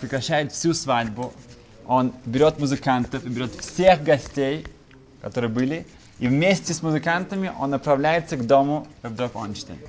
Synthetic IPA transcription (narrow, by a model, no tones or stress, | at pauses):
pɾʲɪkɾɐɕːæjɪt̪fsʲusvadʲbʊ | o̞nbʲɪɾʲo̞t̪mʊzɨkant̪əfɨbʲɪɾʲo̞t̪fsʲexɡɐsʲtʲej | kɐt̪o̞ɾɨjəbɨlʲɪ | ivmʲesʲtʲɪsmʊzɨkant̪əmʲɪʔo̞̰nːəpɾɐvlʲæjɪt̪səɡd̪o̞mʊvd̪ɾoko̰nt͡ʃt̪ə̰nʲ